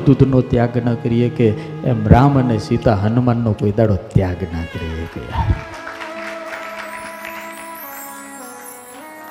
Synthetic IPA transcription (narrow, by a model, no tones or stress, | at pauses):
d̪ud̪ʱnot̪jaɡnəkəɾijekeː | mɾamənesit̪aɦənumanːokoid̪aɽot̪jaɡnəkəɾiḛkḛ